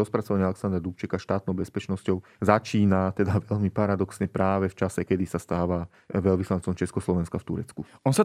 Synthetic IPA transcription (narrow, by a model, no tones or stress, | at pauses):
ɔspɾat͡sɔʋaɲɪalɛksand̪ɾad̪upt͡ʃɛkaʃt̪aːt̪nɔʊbɛspɛt͡ʃnɔscɔʊ | zat͡ʃiːnat̪ɛd̪aʋɛʎmipaɾad̪ɔksɲɛpɾaːʋɛft͡ʃasɛkɛd̪isast̪aːʋa | ʋɛlʋislant͡sɔmt͡ʃɛskɔslɔʋɛnskaft̪ṵɾɛt͡skuɔnsa